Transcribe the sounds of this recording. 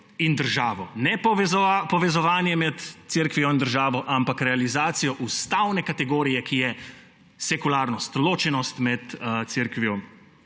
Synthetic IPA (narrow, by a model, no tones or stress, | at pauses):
ind̪əɾʒaːʋɔnɛpɔʋɛzɔapɔʋɛzɔʋaːnjɛmɛt̪t̪siɾkʋijɔind̪əɾʒaːʋɔʔampakɾɛalizaːt̪sijɔʔust̪awnɛkat̪ɛɡoːɾijɛkijɛ | sɛkulaːɾnɔst̪loːt͡ʃɛnɔst̪mɛt̪t̪siɾkʋijɔ